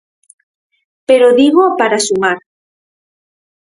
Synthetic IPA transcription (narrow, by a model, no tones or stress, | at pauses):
peɾoðiɣopaɾasumaɾ